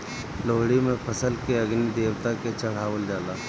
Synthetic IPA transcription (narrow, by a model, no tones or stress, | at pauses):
loːɽimẽpʰəsəlkeɐɡnid̪eːwt̪aket͡ʃɐɽ̤aːwəld͡ʒaːlaː